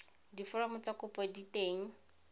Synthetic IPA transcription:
difʊramʊt͡sakʊpɔditeːŋ̩

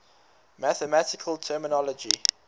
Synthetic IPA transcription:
mæθəmatɪkʰəlˠtʰɜːmɪnɔlɔd͡ʒi

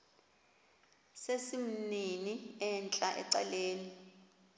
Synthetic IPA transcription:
sesim̩niniɛnt͡ɬʼaʔɛ̰ǀa̰leːni

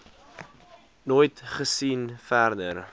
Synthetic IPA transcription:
noːjtχəsinfærdər

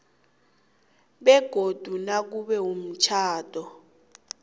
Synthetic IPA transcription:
ɓɛɡ̥ʱod̥ʱunak̬uɓɛɦum̩t͡ʃʰaːd̥ʱɔ

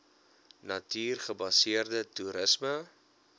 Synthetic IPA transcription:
nɐtiːrχəbɐsiərdətuɾəsmə

